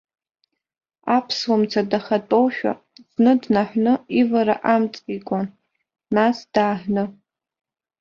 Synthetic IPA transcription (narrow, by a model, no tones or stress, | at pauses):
apʰswamt͡sʰadaχɐtʼowʃᶣa̰ | z̥nɨdnaħʷnɨivaɾa̰ʔamt͡sʼikʷʼɔn | nasd̥aːħʷnɨ